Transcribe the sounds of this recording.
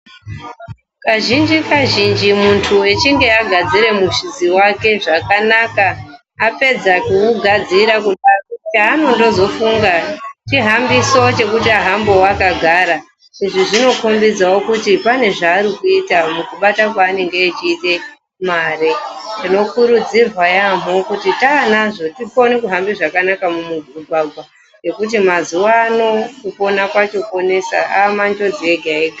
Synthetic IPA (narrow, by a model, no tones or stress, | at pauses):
kaʒind͡ʒikaʒind͡ʒimuntʰuet͡ʃiŋɡe̞aɡʱad͡ziɾe̞muʃiziwake̞ʐakanakaː | pe̞d͡zakuuɡʱad͡ziɾakut͡ʃaːnondo̞zo̞fuŋɡat͡ʃiɦambiso̞t͡ʃe̞kutiaɦambo̞wakaɡʱaːɾa | ʐ̥inʐiʐino̞ko̞mbid͡zawo̞kutipane̞ʐaːɾikuitamukuɓatakwaːne̞ŋɡeːt͡ʃiːte̞ | maretino̞kuɾud͡zirwajamo̞kutitanaʐo̞tipo̞nikuɦambiʐakanakamumuvuɡʱwaɡʱwa | je̞kut̬imazuwaːno̞kupo̞nakwat͡ʃo̞ko̞ne̞sa̰amand͡ʒod͡zieɡʱaeka